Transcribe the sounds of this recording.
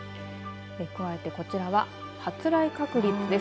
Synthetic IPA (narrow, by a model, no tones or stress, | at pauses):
ekɯ̟βae̞t̪e̞ko̞t͡ɕiɾaβa | hat͡sɨɾaikakɯ̟ɾʲit͡sɨd̪e̞